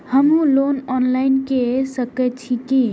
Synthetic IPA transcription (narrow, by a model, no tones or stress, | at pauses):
həmũlonɔnlajnkesəkɛt̚t͡ʃʰiki